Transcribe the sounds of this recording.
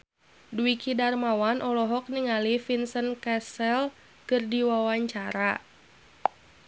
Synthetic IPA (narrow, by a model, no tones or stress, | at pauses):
duikʰidarmawanʔɔlɔɦɔk̚niŋalifinsənkɛsɛl | kɨrdiwawaɲt͡ʃaɾa